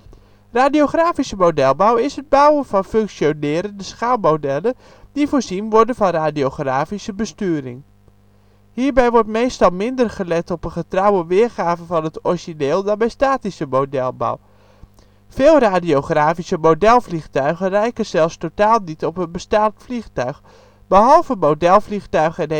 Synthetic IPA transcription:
raːdijoχraːfisəmodɛlˠbawɪsəd̚bawəvɑnfɵŋksjonɪːɾəndəsχaːlˠmowdɛlə | divoːɹzinʋɔɹdənvɑnraːdiowχraːfisəbəstyːəɾɪ̰ŋ | hiːɹbɛjʋɔɹtmejstɑlˠmɪndərχəlɛtɔpənχətrawəʋɪːɹχaːvəvɑnətɔriʒineːlˠdɑnbɛjstaːtisəmowdɛlˠba̰w | fɪːlˠraːdiowχraːfisəmowdɛlˠvlixtœɥχənrɛjkəz̥ɛlˠstotaːlˠnitɔpənbəstaːtfliχtœɥχ | bəɦɑlˠvəmowdɛlˠfliχtœɥχɛn

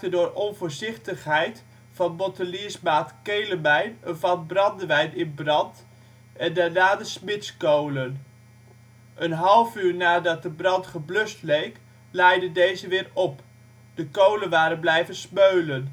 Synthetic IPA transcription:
tədʊːɹɔnvʊːɹzɪχtəχɦɛjt | fɑnbɔtəliəsmaːtkejləmɛjnənvɑnbrɑndəʋɛjnɪnbrɑnt | ʔɛndaɹnaːdəsmɪtskowlən | ʔənɦɑlˠvyːɹnaːdɑt̚dəbrɑntχəblɵstlejk | lɛjdəndejzəʋɪːɹɔp | d̥əkowlənʋaːɾənblɛjvənsmøɥlən

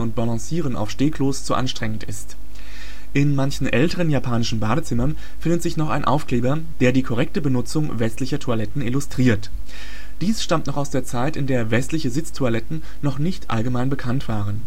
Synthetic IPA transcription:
ʊnt̚b̥alɑ̃siːʁ̞əna̰ʊfʃteːkʰloːst͡suʔa̰nʃtʁ̥ɛŋən̩tɪ̰st | ʔɪnmançn̩ʔɛltəʁənjaːpʰaːnɪʃn̩baːɾət͡sɪmɐn | fɪndətz̥ɪçnɔχa̰ɪnʔa̰ʊfkleːbɐ | d̥eːɐdiːkʰɔʁ̞ɛk̚təbənʊt͡sʊŋvɛstlɪçɐtʰualɛtn̩ɪlʊstʁ̥iːɐt | d̥iːsʃtamtnɔχaʊsd̥eːɐt͡saɪtɪndeːɐvɛstlɪçəzɪt͡stʰualɛtn̩ | nɔχnɪçtʔa̰lɡəmaɪnbəkʰantv̥aːʁ̞ən

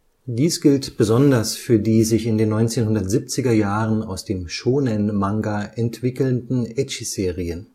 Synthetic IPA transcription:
d̥iːsɡ̥ɪltb̥əzɔndɐsfyːɐdiːzɪçɪndeːnːɔʏnt͡seːnhʊndɐtz̥ip̚t͡sɪɡɐjaːʁəna̰ʊsd̥eːmʃoːnənmaŋɡaʔɛntv̥ɪkl̩ndn̩ɛt͡ʃz̥eːʁiən

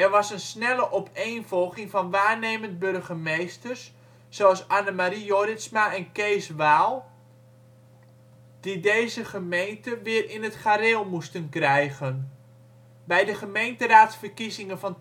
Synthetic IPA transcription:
ɛrʋɑsənsnɛləʔɔpʰeːnvɔlˠɣɪŋvɑnʋaːrnejmənt̚børɣəmejstərs | soɑlˠsanəmaɾijoɾɪsmaɛnkejsʋaːlˠ | d̥idejzəχəmejntəʋɪːrʔɪnətχaːɾɪlˠmustənkrɛjɣən | bɛjdəχəmejntəraːtsfərkizɪŋənvɑn

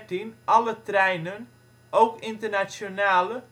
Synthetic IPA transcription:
tinʔɑlətrɛjnən | ʔowkɪntərnat͡ʃjonaːlə

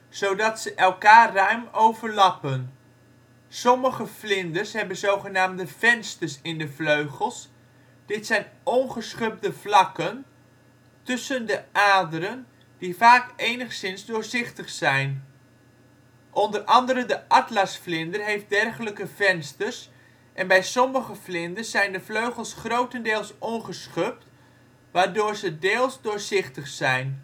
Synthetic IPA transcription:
z̥owdɑtsəʔɛlˠkaːœɥmowvəɹlɑpən | sɔməχəflɪndəsɦɛbənzowχənaːmdəvɛnstəɹsɪndəvløɥχəlˠs | d̥ɪtsɛjnɔnχəsχɵb̚dəvlɑkən | tɵsəndəʔaːdəɾən | d̥ivaːkejnəχsɪnzdʊːɹzɪχtəχsɛjn | ʔɔndərʔɑndəɾəndəʔɑtlasflɪndərɦejft̚dɛrχələkəvɛnstərs | ʔɛnbɛjsɔməχəflɪndərsɛjndəfløɥχəlˠsχrowtəndɪːlˠsʔɔnχəsχøp̚t | ʋaːɹdʊːɹzədeːlˠszdʊːɹzɪχtəχsɛjn

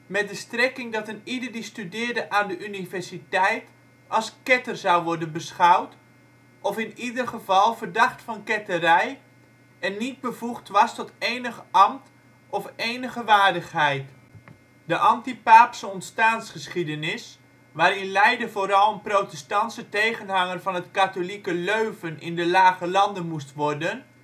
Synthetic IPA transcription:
mɛt̚dəstrɛkɪŋdɑtənidərdistydɪːrdəʔaːndəʔynivɛrsitɛjt | ɑlˠskɛtərzawʋɔrdənbəsχawt | ʔɔfɪnidərχəvɑlˠvərdɑχtfɑnkɛtərɛj | ɛnːit̚bəvuχtʋɑstɔtejnəχəʔɑmt | ɔfejnəχəʋaːrdəχɦɛjt | dəʔɑntipaːpsəɔntstaːnsχəsχidənɪs | ʋaːɾɪnlɛjdəvoːɾɑlˠənprotɛstɑntsətejχənɦɑŋərvɑnɦətkatolikəløɥvənʔɪ̰ndəlaːχəlɑndənmustʋɔrdən

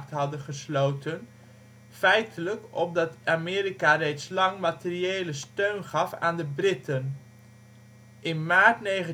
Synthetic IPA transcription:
tɦɑdənχəslowtən | fɛjtʰələkɔp̚dɑtamɪːɾikarejtslɑŋmatɪrieːləstøɥnχɑfa̰ːndəbrɪtən | ʔɪnmaːɹtnejχə

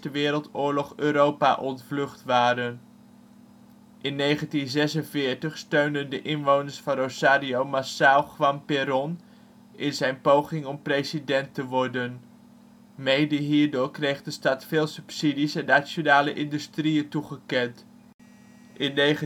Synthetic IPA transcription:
stəʋɪːɾəlˠtʊːɹlɔχøːɾowpa̰ʔɔntflɵχtʋaːɾən | ʔɪnːejχəntinzɛsənvɪːɹtəχstøɥndəndəʔɪnʋownəɹsfɑnosaːɾiowmasawχʋɑmpɪɾɔn | ʔɪnzɛjnpowχɪŋɔmprejsidɛntəʋɔɹdən | mejdəɦiːɹdʊːɹkrejχdəstɑtfɪːlˠsɵpsidisɛnasonaːləʔɪndystrijətuχəkɛnt | ʔɪnːeə

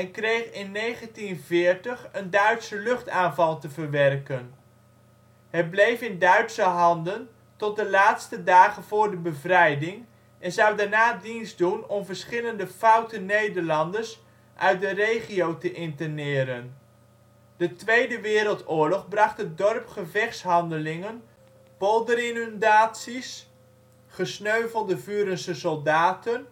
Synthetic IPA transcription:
ɛnkrejχɪnːejχəntinvɪːɹtəχəndœɥtsəlɵχtaːnvɑlˠtəvəɹʋɛrkən | ɦɛt̚blejfɪndœɥtsəɦɑndən | tɔt̚dəlaːtstədaːχənvʊːɹdəbəvrɛjdɪŋ | ʔɛnzɑwdaɹnaːdinzdunɔmvəɹsχɪləndəfʌwtənːejdəɹlɑndəɹs | ʔœɥt̚dərejχiowtəʔɪntənɪːɾən | dətʋejdəʋɪːɾəlˠtʊːɹlɔχbrɑχtət̚dɔrpχəvɛχsɦɑndəlɪŋən | b̥ɔlˠdərɪnndaːtsis | χəsnøɥvəlˠdəvyːɾənsəsɔlˠdaːtən

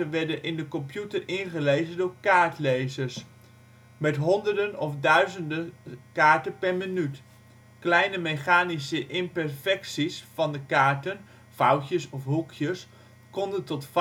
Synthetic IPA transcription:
əʋɛɹdənʔɪndəkɔmpjutəɹɪnχəlejzəndʊːɹkaːɹtlejzəɹs | mɛtɦɔndəɹdənɔfdœɥzəndəkaːɹtənpɛɹmənyt | klɛjnəmeχaːnisəʔɪmpɛɹfɛksisfɑndəkaːɹtən | fʌwtəsɔfɦukʰjəs | kɔndəntɔtf

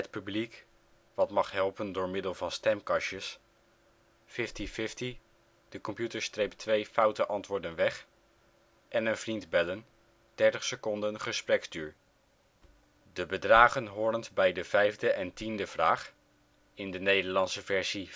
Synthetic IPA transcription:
ət̚pyblik | ʋɑtmɑχɦɛlˠpəndʊːɹmɪdəlˠvɑnstɛmkɑʃəs | fɪftifɪfti | d̥əkɔmpjutəɹstrejp̚tʋejfɑwtəʔɑntʋʊːɹdənʋɛχ | ʔɛnənvrintbɛlən | d̥ɛɹtəχsəkɔndənχəsprɛkstyːɹ | dəbədraːχənɦʊːrəntbɛjdəv̥ɛjvdəʔɛntindəv̥raːχ | ɪndənejdəɹlɑnsəvɛɹzi

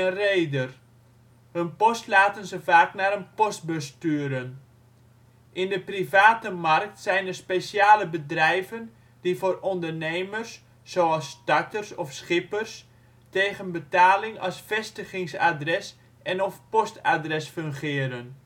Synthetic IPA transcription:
əreːdər | hənpɔstlaːtənzəvaːknaːɾənpɔst̚bəstyəɾən | ʔɪndəprivaːtəmark̚tsɛjnərspeːsjaːləbədrɛjvən | divoːrɔndərneːmərsː | oːɑlˠsd̥ak̚tərsɔfsχɪpərs | teːɣənbətaːlɪŋɑ̰sfɛstəχɪŋsa̰drɛs | ɛnɔfpɔstadrɛsfɵŋχɪəɾən

